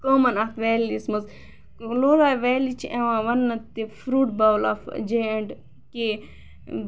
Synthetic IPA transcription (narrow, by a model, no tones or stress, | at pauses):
koːmɐnɐt̪ʋeːlismɐz | loːlaːʋeːlit͡ʃʰiʔeʋãːʋɐnːɐt̪ifɾuːʈbɐwla̰fd͡ʒeeɳɖ | ke